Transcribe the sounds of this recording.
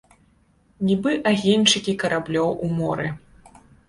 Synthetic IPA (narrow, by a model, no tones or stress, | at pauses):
nʲibɨʔaɣʲenʲt͡ʂɨkʲikɐɾablʲɔwʔumɔɾɨ